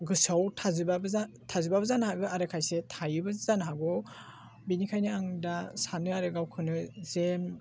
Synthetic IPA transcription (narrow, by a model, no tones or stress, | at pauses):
ɡɯsawtʰazɯbab | tʰazɯbabɯzanhaɡɯaɾɯkʰajsetʰajɯbɯzanɦaɡɔ | binikʰajnɯaŋdasanɯaɾɯɡawkʰɯnɯzem